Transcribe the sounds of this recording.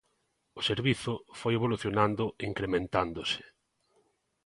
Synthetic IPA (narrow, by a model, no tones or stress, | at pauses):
ʊseɾβiθʊfojeβ̞oluθjonand̪ʊiŋkɾemẽnt̪and̪ʊsɪ̥